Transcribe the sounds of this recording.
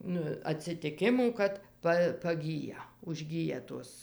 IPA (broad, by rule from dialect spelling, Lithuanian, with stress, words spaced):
nʊ ɐtʲsʲɪtʲɪˈkʲɪmuː kɐt ˈpɐ pɐˈɡʲiːjɛ ʊʒʲˈɡʲiːjɛ ˈtoːs